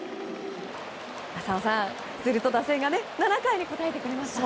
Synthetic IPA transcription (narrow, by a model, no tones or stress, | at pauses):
asaosḁ̃ | sɨɾɯ̟t̪o̞d̪ase̞ɡane̞nanakaiɲ̟iko̞t̪ae̞t̪e̞kɯ̟ɾe̞masɨ̥a